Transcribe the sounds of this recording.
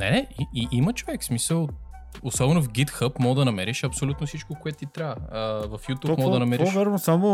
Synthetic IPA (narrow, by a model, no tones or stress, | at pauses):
nɛiiʔimɐt͡ʃovɛksmisəlˠ | osɔbɛnʊfɡʲit̪xəpmɔɡd̪ɐnɐmɛɾiʃɐpsolʲut̪nʊsit͡ʃkokoɛt̪t̪it̪ɾaəəvɐfjut̪umɔd̪ɐnɐmɛɾiʃvaɾnosamo